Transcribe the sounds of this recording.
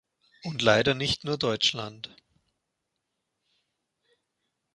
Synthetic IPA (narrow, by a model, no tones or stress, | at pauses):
ʔʊntlaɪɾɐnɪçtnuːɐdɔʏt͡ʃla̰nt